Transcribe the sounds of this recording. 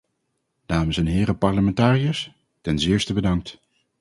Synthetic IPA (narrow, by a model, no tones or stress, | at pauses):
d̥aːməsɛnɦɪːɾəpɑɹləmɛntaːrijəs | tɛnzɪːɹstəbədɑŋk̚t